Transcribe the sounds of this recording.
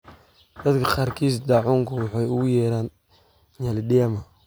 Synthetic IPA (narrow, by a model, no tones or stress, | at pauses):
d̪̥ɐt̪kʰɐqɑːrkʰiːs̬d̪ɑːʕʊːŋkʰʊwɑħɑjʊɣʊjɛːɾaːn | jɐlɪɗɪjɐmɐ